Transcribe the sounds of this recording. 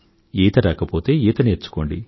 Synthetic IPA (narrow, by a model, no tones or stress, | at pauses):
eːt̪ɐɾaːkɐpoːt̪e̞ːiːt̪ɐniet͡ʃːu̥ko̞ːɳɖi